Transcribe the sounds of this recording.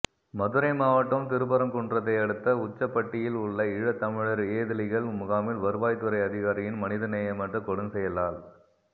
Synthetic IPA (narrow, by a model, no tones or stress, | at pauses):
mɐðɯɾɐɪmaːʋɐʈːɐmt̪ɪɾɯbɐɾɐmkɔɳdrɐt̪ːɐɪɐɽɯt̪ːɐʊt͡ʃːɐpːɐʈːɪjɪlʊɭːɐɪɻɐt̪ːɐmɪɻɐɾeːðɪlɪɣɐɭmʊɣaːmɪlʋɐɾɯʋaːjt̪ːɯɾɐɪɐðɪɣaːɾɪjɪnmɐnɪðɐnɛjɐmɐt̪ːɯkɔɽɯnsɛjɐlaːl